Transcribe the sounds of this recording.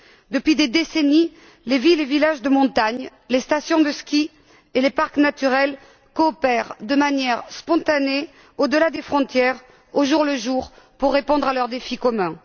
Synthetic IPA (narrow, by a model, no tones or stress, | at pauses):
d̪əpɥid̪ed̪eseni | levilevilaʒd̪əmɔ̃t̪aɲ | lest̪asjɔ̃d̪əskʲi | elepaʁknat̪yʁɛl | kɔːpɛʁd̪əmanjɛʁspɔ̃t̪ane | od̪əlad̪efχɔ̃t̪jɛʁ | oʒuʁləʒuʁpuʁːepɔ̃d̪ʁalœʁd̪efikɔmɛ̃